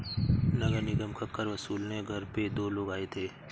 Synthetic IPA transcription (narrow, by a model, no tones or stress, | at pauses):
nɐɡəɾnɪɡəmkʰəkːəɾʋɐsuːlneɡʱɐɾped̪oːloːɡaːet̪ʰeː